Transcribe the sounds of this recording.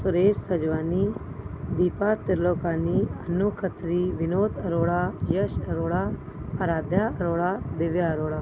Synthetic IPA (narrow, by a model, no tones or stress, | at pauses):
sʊɾeːʃsəd͡ʒʋaːniːd̪iːpaːt̪ɪɾloːkaːniːənoːkʰət̪ɾiːʋɪnoːt̪ʰəɾoːɽaːjəʃəɾoːɽaː | əɾaːd̪jaːəɾoːɽaːd̪ɪʋjaːɾoːɽaː